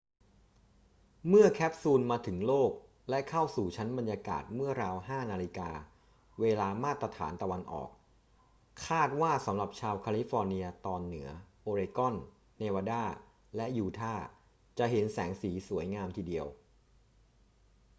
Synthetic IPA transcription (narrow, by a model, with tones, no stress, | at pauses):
mɯ˥˩ɐkʰɛː˦˥p̚suː˧nmaː˧t̪ʰɯ˩˦ŋloː˥˩k̚ | lɛ˦˥kʰa˥˩wsuː˨˩t͡ɕʰa˦˥nba˧njaː˧ka̰ː˨˩t̪̚mɯ˥˩ɐɾaː˧wɦaː˥˩naː˧li˧kaː˧ | weː˧laː˧maː˥˩t̪ɾa˧t̪ʰa̰ː˩˦nt̪a˧wa˧nʔɔ̰ː˨˩k̚ | kʰːaː˥˩t̪̚waː˥˩sa˩˦mɾa˨˩p̚t͡ɕʰaː˧wkʰaː˧li˦˥fɔː˧ni˧ɐt̪ɔː˧nːɯ˩˦ɐʔoː˧ɾeː˧kɔ˥˩n | neː˧waː˧daː˥˩ | lɛ˦˥ʔjuː˧t̪ʰaː˥˩ | t͡ɕa˨˩ʔɦe˩˦nsɛː˩˦ŋsiː˩˦su˩˦əjŋaː˧mt̪ʰiː˨˧di˧əw